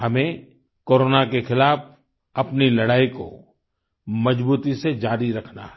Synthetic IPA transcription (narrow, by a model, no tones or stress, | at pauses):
hɐmẽ | koːɾoːnakexɪlaːf | ɐpnilɐɽaːiko̰ | mɐd͡ʒbuːt̪ised͡ʒaːɾiɾɐkʰna̰ɦɛ